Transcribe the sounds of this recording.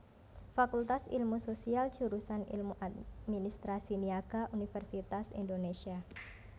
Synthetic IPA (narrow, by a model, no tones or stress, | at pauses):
fakult̪asḭlmusosialt͡ʃuɾusanḭlmuʔat̪minist̪ɾasiniaɡaʔunifɛrsit̪asḭndonesia